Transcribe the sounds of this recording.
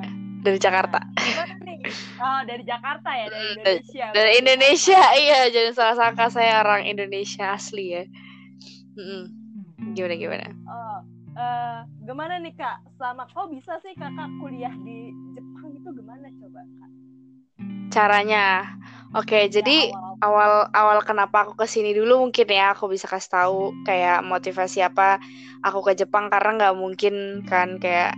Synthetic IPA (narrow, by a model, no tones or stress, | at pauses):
daɾid͡ʒakart̪a̰maanɪɔdaɾid͡ʒakart̪ajam̩adaɾiindonesiaijad͡ʒadisalasakasajaoɾaŋḭndonesiaːslija | m̩ɡimanaɡima̰na̰ɔ | ʔəɡəmananɪkaʔsəlamakawbisasɪhkakakuliahdid͡ʒəp̚aŋɡit̪uɡəmanat͡ʃobaka | t͡ʃaɾaɲa | oked͡ʒadiawalawalkənapaːkukəsinidulumuŋkɪnjaːkubisakasi̥t̪aukajaʔmot̪ifasiapa | ʔakukəd͡ʒəpaŋkarənaŋɡaʔmuŋkɪnkankaja̰ʔ